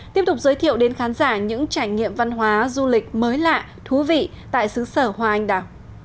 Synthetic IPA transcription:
t̪i˦˥əp̚t̪ʊ˨˩k͡p̚zəː˨˦jt̪ʰḭ˧˨əwɗe˨˦nxaː˨˦nzaː˧˩ɲɨ̰˧˥ŋt͡ɕaː˧˩jŋḭ˧˨əmva˧nɦwaː˨˦zu˧lï˨˩k̟̚məː˨˦jla̰ː˧˨ | t̪ʰu˨˦vḭ˧˨ | t̪a̰ː˧˨jsɨ˨˦səː˧˩hwaː˧ʔa˧jŋ̟ɗaː˧˩w

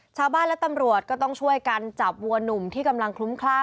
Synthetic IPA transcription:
t͡ɕʰaː˧wbaː˥˩nlɛ˦˥t̪a˧mɾu˨˩ət̪̚kɔː˥˩t̪ɔ˥˩ŋt͡ɕʰu˥˩əjka˧nt͡ɕa˨˩p̚wu˧ɐnu˨˩mt̪ʰiː˥˩ka˧mla˧ŋkʰlu˦˥mkʰlaː˥˩

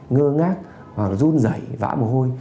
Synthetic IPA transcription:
ŋəː˧ŋaː˦˥k̚ | vaː˨˩kzu˧nzə̰˧˩jva̰ː˧˥mo˨˩ɦo˧j

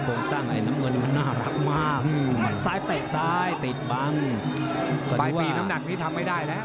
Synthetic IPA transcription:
kʰoː˧ŋsaː˥˩ŋla̰˧˩jnaː˦˥mŋɤ˧nːi˥˩ma˧nːaː˥˩ɾa˦˥k̚maː˥˩k̚saː˦˥jt̪eː˨˩ʔ̚saː˦˥jt̪i˨˩t̪̚ba˧ŋ | kɔ˧˩badu˧jwiː˧na˦˥mna˨˩k̚niː˦˥t̪ʰa˧mːa˥˩jdaː˥˩jnɛ˦˥ʔ

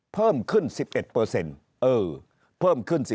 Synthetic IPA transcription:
pʰɤː˥˩mkʰɯ˥˩nsi˨˩p̚ʔe˨˩t̪̚pɤː˧se˧n | ʔɤː˧˩ | pʰɤː˥˩mkʰɯ˥˩nsi˨˩

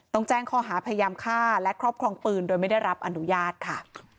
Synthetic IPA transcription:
t̪ɔ˥˩ŋt͡ɕɛː˥˩ŋkʰɔː˧˩ɦaː˩˦pʰa˧ja˧jaː˧mkʰaː˥˩lɛ˦˥kʰɾɔː˥˩p̚kʰɾɔː˧ŋpɯː˧ndoː˧jma˥˩jda˥˩jɾa˦˥p̚ʔa˧nu˦jaː˥˩t̪̚kʰa˥˩

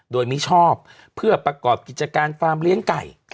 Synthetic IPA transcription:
doː˧jmiː˦˥t͡ɕʰɔː˥˩p̚ʰː | ɯ˥˩ɐpɾa˧kɔː˨˩p̚ki˨˩t̪̚t͡ɕa˧kaː˧nfaː˧mli˦˥əŋka̰˨˩j

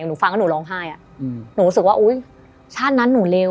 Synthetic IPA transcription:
nuː˩˦fa˧ŋʰkaː˥nuː˩˦lɔː˧ŋɦaː˥˩jʔa˨˩ | nuː˨˩˦ɾu˦˥sɯ˨k̚waː˥˩ʔoː˦˥j | t͡ɕʰaː˥˩t̪̚na˦˥nːuː˩˦leː˧

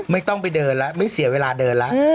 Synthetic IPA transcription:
ma˥˩jt̪ɔ˥˩ŋp̬a˧jdɤː˧nla˦˥ma˥˩jsi˨˩˦weː˧laː˧dɤː˧nla˦˥ʔ

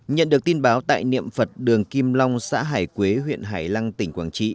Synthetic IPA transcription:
ɲə̰˧˨nɗɨ˨˩ək̚t̪i˧nɓaː˨˦wt̪a̰ː˧˨jnḭ˧˨əmfə˨˩t̚ɗɨ˨˩əŋki˧mlɔ˧wŋ͡msa̰ː˧˥ɦaː˧˩jkwe˨˦ɦwḭ˧˨ənɦaː˧˩jla˧ŋt̪ï˧˩ŋ̟kwaː˧˩nt͡ɕḭ˧˨

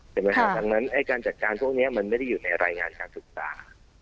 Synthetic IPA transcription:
tʰɛ˨˩ma˦˥kʰa˦˥da˧ŋna˦˥nʔa˧˩jkaː˧nt͡ɕa˨˩t̪̚kaː˧npʰu˥˩ək̚ni˦˥ɐma˧nma˥˩jda˥˩juː˨˩na˧jɾa̰ː˧jŋaː˧nkaː˧nsɯ˨˩k̚sa̰ː˧˦

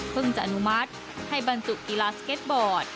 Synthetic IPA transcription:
pʰɯ˥˩ŋt͡ɕa˨˩ʔa˧nu˦˥ma˦˥t̪̚ | ha˥˩jba˧nsu˨˩k̚kiː˧laː˧ske˦˥t̪̚bɔː˨˩t̪̚

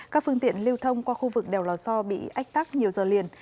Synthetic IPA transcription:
kaː˦˥k̚fɨ˧əŋt̪ḭ˧˨ənli˧əwt̪ʰə˧wŋ͡mkwaː˧xu˧vɨ˨˩k̚ɗɛ˨˩wlɔː˨˩sɔ˧ɓḭ˧˨ʔa˦˥jk̚t̪aː˦˥k̚ɲi˨˩əwzəː˨˩lḭ˨˩ən

